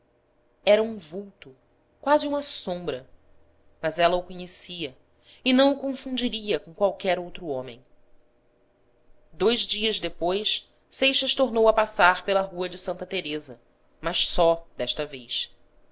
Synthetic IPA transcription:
ɛɾɐũvuwt̪ʊ | kwaziũmɐsõmbɾɐ | mɐzɛlɐʊkoɲesiɐ | ɪnɐ̃w̃ʊkõfũd͡ʒiɾiɐkõkwawkɛɾowt̪ɾʊõmḛ̃j̃ | d̪ojzd͡ʒiɐzd̪epojs | sejʃɐʃt̪oɾnowɐpasaɾpelɐɦuɐd͡ʒɪsɐ̃nt̪ɐt̪eɾezɐ | mɐʃsɔd̪ɛʃt̪ɐvejs

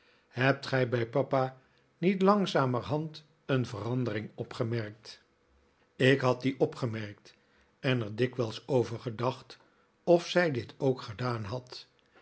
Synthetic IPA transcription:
hɛp̚tχɛjbɛjpɑpa | nitlɑŋzaːmərɦɑnt | ənvərɑndərɪŋɔpχəmɛɹk̚t | ɪkɦɑt̚diʔɔpχəmɛɹk̚t | ɛnəɹdɪkʋɛlˠsowvəɹχədɑχt | ɔfsɛjdɪtowkχədaːnɦɑt

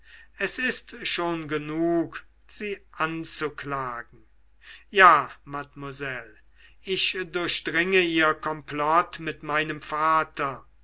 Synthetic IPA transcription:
ʔɛsɪstʃoːnɡənuːk | z̥iːʔant͡suklaːɡŋ̩ | jaːmatmuzɛl | ʔɪʃdʊɐʃd̥ʁɪŋəiːɐkɔmplɔtmɪtmaɪnəmfaːtɐ

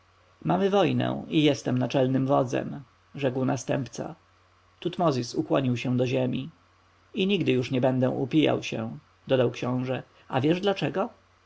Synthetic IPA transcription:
mamɘvɔjnɛ̰̃ijɛst̪ɛmnat͡ʂɛlnɘmvɔd̪zɛ̰m | ʐɛkwnast̪ɛmpt̪sa̰ | t̪ut̪mɔzʲisukwɔɲiwɕɛ̃d̪ɔʑemʲi | iɲiɡd̪ɘjuʂɲɛbɛnd̪ɛ̃ʔupʲija̰wɕɛ̰̃ | d̪ɔd̪awkɕɔ̃w̃ʐɛ | a̰vʲjɛʐd̪lat͡ʂɛɡɔ

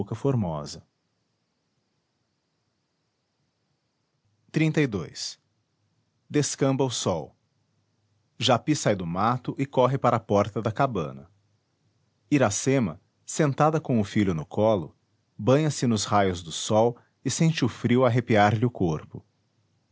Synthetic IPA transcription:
kɐfoɾmɔzɐ | t̪ɾĩnt̪ɐijd̪ojs | d̪eskɐ̃mbɐʊsɔw | ʒapisajd̪ʊmat̪ʊʔɪkɔɦɪpaɾɐapɔɾt̪ɐd̪ɐkabɐ̰̃nɐ̰ | iɾasẽmɐ̰ | sẽnt̪ad̪ɐkõw̃ʊfiʎʊnʊkʰɔlʊ | bɐ̃ɲɐsɪnʊzhajʊzd̪ʊsɔw | ɪsẽnt͡ʃɪʊfɾiwaɦepiaɾʎɪʊkoɾpʊ

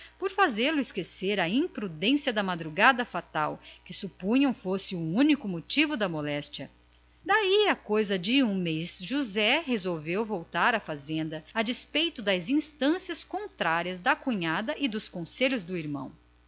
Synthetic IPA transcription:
poɾfazelʊɪskeseɾɐĩpɾud̪ẽsiɐd̪ɐmad̪ɾuɡad̪ɐfat̪awkɪsupũɲɐ̃w̃fosɪuũnikʊmot͡ʃivʊd̪ɐmolɛst͡ʃiɐ | d̪aiɐkojzɐd͡ʒɪũmejzʒuzɛhezowvewvowt̪aɾɐfazẽnd̪ɐad͡ʒɪspejt̪ʊd̪ɐzĩst̪ɐ̃siɐskõnt̪ɾaɾiɐzd̪ɐkũɲad̪ɐʔɪd̪ʊskõseʎʊzd̪ʊiɾmɐ̰̃w̃

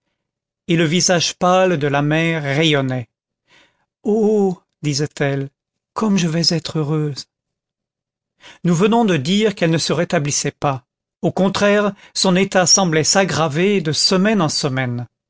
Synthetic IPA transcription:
eləvizaʒpald̪əlamɛʁːejɔnɛ | o | d̪izɛt̪ɛl | kʰɔmʒəvɛzɛt̪χøʁøz | nuvənɔ̃d̪əd̪iʁkɛlnəsəʁet̪ablisɛpa | okɔ̃t̪χɛʁsɔ̃net̪asɑ̃blɛsaɡʁaved̪əsəmɛnɑ̃səmɛn

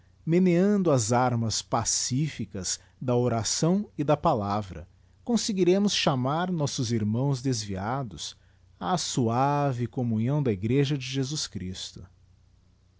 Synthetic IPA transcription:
meneɐ̃nd̪ʊɐzaɾmɐspasifikɐz̥ | d̪ɐoɾasɐ̃w̃ɪd̪ɐpalavɾɐ̰ | kõseɡiɾẽmʊsʃamaɾnɔsʊziɾmɐ̃w̃zd̪ezviad̪ʊs | aːsuavɪkomũɲɐ̃w̃d̪ɐiɡɾeʒɐd͡ʒɪʒezuskɾḭst̪ʊ̥

